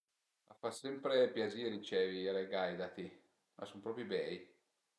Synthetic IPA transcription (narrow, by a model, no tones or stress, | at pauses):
a̰fasɛmpɾepjaziːɾit͡ʃɛːviaɾeɡajd̪at̪i | mʔa̰sumpɾɔːpɾjibɛːj